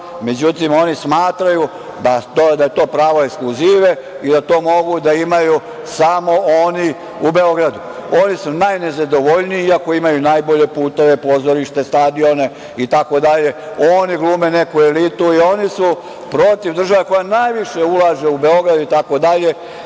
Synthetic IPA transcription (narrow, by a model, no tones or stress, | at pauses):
me̞d͡ʑut̪imo̞nismaːt̪ɾaju | d̪at̪od̪aje̞t̪o̞ːpɾaːʋo̞ekskluziːʋe̞ | id̪at̪o̞ːmo̞ɡud̪aimaju | samo̞oni | ube̞o̞ɡɾad̪u | o̞nisunajne̞zad̪o̞ʋoʎniiiako̞imajunaːjbo̞ʎe̞puːt̪e̞ʋe̞po̞ːzo̞ɾiʃt̪e̞st̪ad̪io̞ne̞ | it̪ako̞d̪aʎe̞ | o̞ːniɡlˠuːmene̞kuelit̪uio̞nisu | pɾo̞t̪iʋd̪r̩ʒaʋeko̞janajʋiʃe̞ulˠaːʒe̞ube̞o̞ɡɾad̪uit̪ako̞d̪aʎe̞